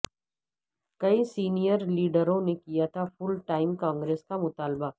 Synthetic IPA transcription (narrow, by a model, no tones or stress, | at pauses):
kɐisiːnijəɾliːɖəɾõnekijat̪ʰafʊlʈaːɪmkãːŋɡɾeːskamʊt̪aːlba